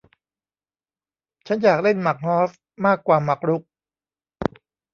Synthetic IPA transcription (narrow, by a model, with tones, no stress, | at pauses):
t͡ɕʰa˦˥njaː˨˩k̚le˥˩nma˨˩k̚hɔː˦˥s | maː˥˩kːwaː˨˩ma˨˩k̚ɾu˦˥k̚